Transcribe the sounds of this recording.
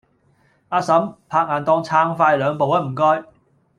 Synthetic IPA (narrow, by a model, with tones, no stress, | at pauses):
ʔaː˧sɐ˨˥mpʰaː˧k̚ŋaː˨˩nt̪ɔː˧ŋt͡sʰaː˧ŋfaː˧jlœː˨˧ŋpo˨wɐ˥m̩˨˩kɔː˧j